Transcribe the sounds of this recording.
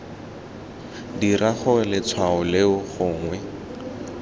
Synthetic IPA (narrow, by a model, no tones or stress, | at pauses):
diraχʊlɪt͡sʰwaʊleʊχʊːŋwɛ